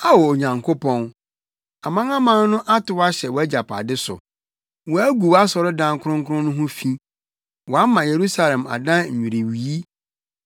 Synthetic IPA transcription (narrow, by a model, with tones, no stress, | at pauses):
a˦wɔ˨o˨ɲã˨ŋkʰo˦pʰɔ̃˦n | a˨mã˦ŋã˦mã˦n˦nʊ̃˦ʔa˦tɪ˨˦wɔ˦a˦ɕɛ˨wɔ˨˦æ˦d͡ʑa˨pʰa̰˨dɪ˦sʊ̰˨ | wɔ˨æ˦ɡu˨wa˦sɔ˨ɾɪ˦dã˦ŋ˦kʰʊ˦ʊ̃˦ŋkʰʊ˦ʊ̃˦nʊ̃˦ɦʊ̃˦fĩ˦ | wɔ˨a˦mã˨je˨ɾu˦sa˦lɛ̃˨ma̰˨dã˦ɲ̩˨ɲᶣũ˨ɾe˨wi˨i˦